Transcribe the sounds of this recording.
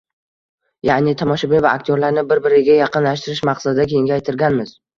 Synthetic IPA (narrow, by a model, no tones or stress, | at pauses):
janɪt̪ʰamɒʃabɪvaːk̚ʲt̪ʰjoɾlaɾnɪbɪɾbɪɾɪɡʲajɑqɨnlaʃt̪ɪɾɪʃmɑqsad̪ɪd̪akʲʰeɪŋʲɡʲaajt̪ʰɪɾɡʲanmɪz̥